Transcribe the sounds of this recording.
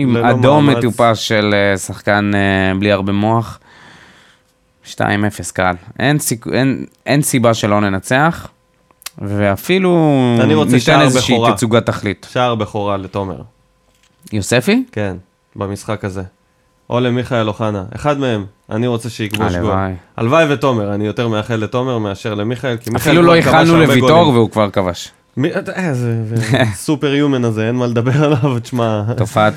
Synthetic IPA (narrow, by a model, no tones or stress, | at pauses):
imadomːet̪upasʃe̞lesaχkanbliaʁbemo̞aχ | ʃta̰ime̞feskalʔensikḛnʔensibaʃe̞lo̞ne̞nat͡seaχ | veafiluniʁoneit̪enezeʃiiʁit͡suɡat̪aχlitʃaʁbeχoʁalet̪omḛʁ | jose̞fike̞n | bamisχakaze̞ | ʔo̞le̞miχaelo̞χanaʔḛχad̪me̞e̞ma̰niʁo̞t͡seʃeikbolʃɡoaja̰lvajveto̞meʁanijo̞te̞ʁmeaχelːeto̞me̞ʁmeaʃe̞ʁle̞miχaelkimaχfaeluloiχvalanulebeviɡooʁveukvaʁkavaʃ | miezevesupeʁjumenazeenmaled̪abe̞ʁalavt͡ʃmatofaa